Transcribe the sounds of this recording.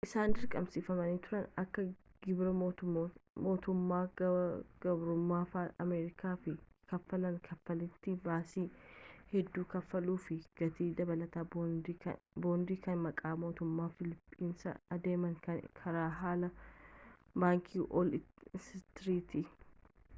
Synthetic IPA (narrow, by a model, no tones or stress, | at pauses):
ʔɪsaːnd̪ɪɾkʼɐmsiːfɐmɐniːt̪ʊɾɐnɐkːɐɡɪbɾɐ | moːt̪ʊmːaː | ɡ̥ɐbɾʊmːaːfaːɐ̰meːɾɪkaːfɪkɐfːɐlɐŋkʰɐfːɐlɪt̪ːɪbaːsiːhɛd̪ːuːkɐfːɐluːfɪɡ̥ɐt̪iːd̪ɐbɐlɐt̪aː | boːnd̪iːkɐnmɐkʼaːmo̞ːt̪ʊmːaːfɪlɪpʼːiːnsɐ̰ɐd̪e̞ːmɐŋkɐkʰɐɾaːɦaːlɐ | baːŋkʰiːʔɔlsɪt̪ɾiːt̪ɪ